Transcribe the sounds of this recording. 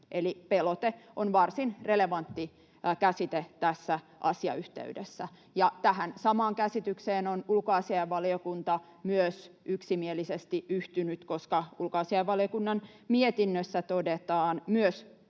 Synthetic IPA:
ʔelipelot̪eʔonʋɑrsinreleʋɑnt̪ːi | kæsit̪et̪æsːæ | ʔɑsiɑ̰yht̪ḛydḛsːæ | jɑt̪æhænsɑmɑːŋkæsit̪ykseːnonulkoɑsiɑjɑʋːɑliokunt̪ɑ | myøsʔyksimielisest̪iʔyht̪ynyt̪koskɑulkoɑsiɑjʋːɑlijokunːɑn | miet̪inːøsːæt̪odet̪ɑːnmyøs

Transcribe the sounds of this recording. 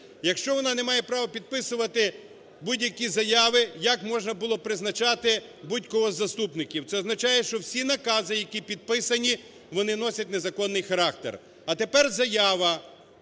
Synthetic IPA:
jɐkʃt͡ʃɔʋɔnɑnemɑjɛpɾɑʋɐpʲid̪̚pɪsʊʋɐt̪ɪ | budʲjɐkʲizɐjɑʋɪjɐkmɔʒnɐbʊlˠɔpɾɪznɐt͡ʃɑt̪ɪ | budʲkɔɦɔzɐst̪upnɪkʲiwt̪sɛɔznɐt͡ʃɑjɛʃt͡ʃɔwsʲinɐkɑzɪjɐkʲipʲid̪̚pɪsɐnʲi | ʋɔnɪnɔsʲɐtʲnezɐkɔnːɪjxɐɾɑk̚t̪ḛr | ɐt̪epɛrzɐjɑʋɐ

